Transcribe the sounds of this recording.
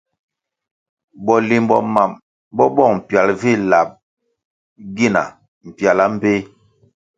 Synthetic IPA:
bɔ˨li˨mbɔ̰˨ma˨m | bɔ˦bɔ˦˨ŋm̩˨pja˨lvi˦˨la˨p̚ | ɡi˦˨na̰˨ | m̩˨pja˨la˦m̩˦be˦

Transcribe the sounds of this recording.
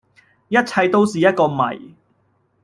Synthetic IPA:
jɐ˥t̚t͡sʰɐ˧jt̪o˥wsiː˨jɐ˥t̚kɔː˧mɐ̰˨˩j

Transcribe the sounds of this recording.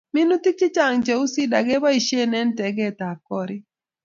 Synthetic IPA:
mɪ˦nu˦t̪ɪ˦t͡ʃɪ˦t͡ʃa˨ŋd͡ʒɛ˨u˦si˦da˨ɡɛ˦ba˦i˨ʃe˦nɛ˦ntɛ˨ɡɛ˦˨t̪a˨kɔ˦ɾɪ˦

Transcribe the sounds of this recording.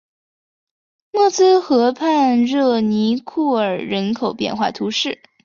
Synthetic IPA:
mɔ˥˩t͡sɹ̩˥xɤ˧˥pʰa˥˧nɻɤ˥˩ni˧˥kʰu˥˩ə˞˨˩ɻə˧˥nkʰo˨˩ʊpjɛ̰˥˧nxwa̰˥˩t̪ʰu˧˥ʂɻ̩˥˩

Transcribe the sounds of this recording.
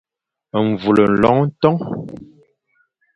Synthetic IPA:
ɱ˨vu˨lə˨n̩˨lɔ̰˨˦ŋn̩˦tɔ˦ŋ

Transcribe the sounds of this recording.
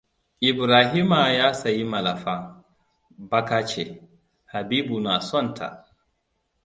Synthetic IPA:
ʔɪ˨bɾaː˨ɦi˦ma˨jaː˦sa˨ji˦ma˨la˨faː˦ | ba˦kaː˦t͡ʃe˨ | ha˨biː˦bu˨na˨sɔ˦˨ntʰa̰˨

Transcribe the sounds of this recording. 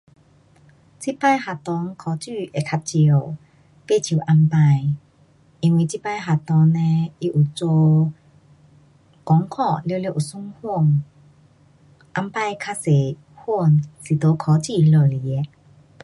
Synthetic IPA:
t͡si˦˥pa˧jɦa˨˩t̪ɔ˧˦ŋkʰɔ˨˧˦t͡ɕy˥˧˩ʔe˨˩kʰa˧p̚t͡ɕi˧ə˧˨w | pe˥˧˨t͡ɕʰi˨˩˨ʔa˧mpã˧j | i˧˩ŋwi˧˨˩t͡ɕi˦pa˧jɦa˨t̪ɔ˧nne˧i˧ʔu˨˩t͡so˧ | kɔ˨˦ŋkʰɔ˥˧˨le˧˨le˧˦˨ʔu˨˩su˥˦ŋhu˥˧˨ŋ | ʔa˧mpa˧jkʰa˧se˨ | hu˥˩˨nsi˨˩t̪o˨˦kʰɔ˨˦t͡ɕi˥˧˨lo˨˩jɛ˧˦

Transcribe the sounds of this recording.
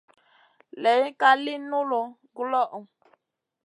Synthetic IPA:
lɛ˨˦ka˦li˦nu˦lo˨ | ɡlɔ˦ʔu˨

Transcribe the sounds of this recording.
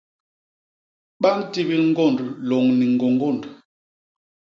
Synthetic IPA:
ɓa˦n̩˦ti˦bi˦ŋ˦ɡɔ˦˨ndlɔ˨ŋni˨ŋ̩˨ɡɔ˨ŋɡɔ˦˨nd

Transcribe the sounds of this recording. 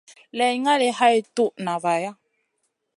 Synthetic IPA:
lɛ˨jŋa˦le˨ha˦e˨t̪u˦ʔna˨va˨ja˦

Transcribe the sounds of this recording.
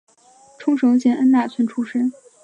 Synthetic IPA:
ʈ͡ʂʰʊ˥ŋʂɤ˧˥ŋt͡ɕjɛ˥˩nʔə˥nna˥˩t͡sʰə˧˥nʈ͡ʂʰu˥ʂə˥

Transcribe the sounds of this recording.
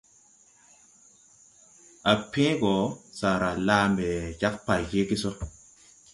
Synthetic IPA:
a˨pĩ˦ɡɔ˨sa˨ɾa˨laː˦mbɛ˨t͡ʃa˦k̚pa˨jke˦ki˦so˦

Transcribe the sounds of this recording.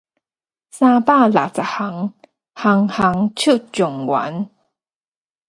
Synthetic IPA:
sa˧pa˥˧˨la̰˨t͡sa˨ha˨˦ŋ | ha˧˦ŋha˨˦ŋt͡ɕʰu˥˨t͡ɕʊ˨˩ŋwa̰˨˦n

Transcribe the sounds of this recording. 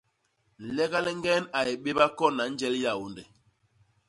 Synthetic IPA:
lɛ˦ɡa˦lɛ˦ŋɡɛ˦na˨je˨ɓe˦ba˦kɔ˦na˨˦n̩˦d͡ʒɛ˦lja˨wo˨ndɛ˨

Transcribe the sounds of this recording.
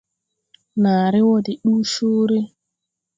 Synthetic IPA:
na˨ɾɪ˦wɔ˦dɪ˨ɗu˦ʃu˦ɾe˦

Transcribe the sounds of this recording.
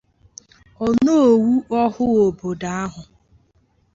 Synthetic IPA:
ɔ˨no˦o˨wu˦ʔɔ˦ɦʊ˦o˨bo˨da˦a˦ɦʊ˨

